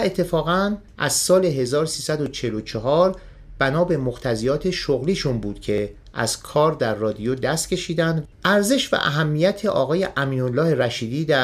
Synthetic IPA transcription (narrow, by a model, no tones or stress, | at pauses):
et̪ʰːe̞fɒːɣæn | ʔæ̰zsɒːle̞ɦe̞zɒːɾosiːsæd̪o̞t͡ʃʰe̞lo̞t͡ʃʰeɦɒːɾ | b̥ænɒːbe̞moxt̪ʰæzijɒːt̪ʰe̞ʃoɣliːʃunbuːd̪̥cʰe̞ | ʔæ̰z̥kʰɒːɾd̪æɾːɒːd̪ijod̪æst̪̚cʰʲe̞ʃiːd̪ænd̪ʔæɾze̞ʃvæ̰ʔæ̰ɦæmːijæt̪ʰe̞ʔɒːɣɒːjeʔæmiːɾolːɒːheɾæʃiːd̪iːd̪æ